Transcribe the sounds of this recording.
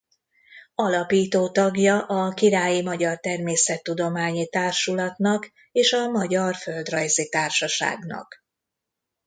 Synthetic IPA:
ɒlɒpiːt̪oːt̪ɒɡjɒʔɒkiɾaːjimɒɟɒrt̪ɛrmeːsɛt̪ːud̪o̞maːɲit̪aːrʃulɒt̪nɒk | eːʃɒmɒɟɒrfø̞ld̪rɒjzit̪aːrʃɒʃa̰ːɡnɒ̰k

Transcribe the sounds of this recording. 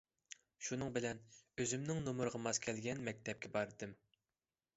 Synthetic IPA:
ʃunɨŋbɪlɛnøzymnɪŋnomʊɾʁɑmɑzkʲʰɛlɡʲɛnmɛk̚ʲt̪ʰɛp̚kʲʰɛbɑɾɨd̪ɨm

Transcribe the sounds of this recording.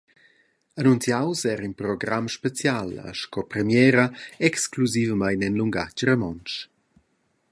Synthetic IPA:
anunt͡sjawsɛːɾinpɾoɡɾamʃpet͡sjalə̰ʃkɔpɾɛmjɛːɾəɛkskluzivəmajnɛnluŋɡa̰t͡ʃrəmɔnt͡ʃ

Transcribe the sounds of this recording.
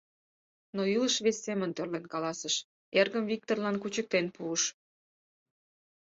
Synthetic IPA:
noiləʃβesːemənt̪ørlenkɑlɑsəʃ | erɣəmvik̚t̪orlɑnkut͡ɕək̚t̪enpuəʃ

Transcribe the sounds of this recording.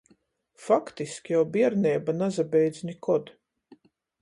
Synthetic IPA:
fakt̪iskʲjawbiɛɾnʲɛːbanazabʲɛjd̪zʲnʲikɔd̪

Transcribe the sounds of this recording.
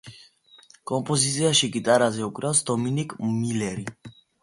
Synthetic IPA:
kʼɔmpʼɔzit̪sʰʼiaʃiɡit̪ʼaɾazɛukʼɾalsd̪ɔminikʼmilɛɾi

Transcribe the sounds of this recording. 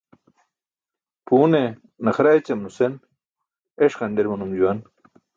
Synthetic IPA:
puːne | nɐxɾaet͡ɕɐmnusen | eʂχɐɳɖeɾmɐnumd͡ʑuwan

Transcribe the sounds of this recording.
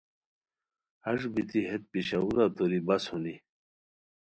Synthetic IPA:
ɐʐbit̪iɦet̪̚piɕauɾat̪oɾibɐshund̪i

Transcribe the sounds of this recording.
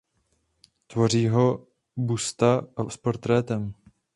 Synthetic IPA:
t̪vo̞riːɦo̞ | bust̪aspo̞ɾt̪ɾɛːt̪ɛm

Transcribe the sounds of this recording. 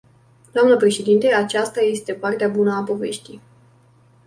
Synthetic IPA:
d̪̥oamnəpɾe̞ʃe̞d̪int̪e̞at͡ʃast̪aje̞st̪e̞part̪eabunəapo̞ve̞̰ʃt̪ij

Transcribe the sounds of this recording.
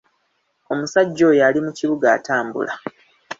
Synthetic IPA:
o̞musaɟːo̞jalimuciβuɡa̰ːtaːmbṵla

